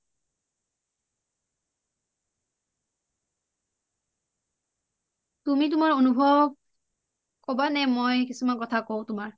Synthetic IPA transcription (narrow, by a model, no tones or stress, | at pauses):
tumitʊmaɹonubʱɔbb̚ | kɔbanɛmojkisumankɔtʰakoʊ̃tʊmaɹ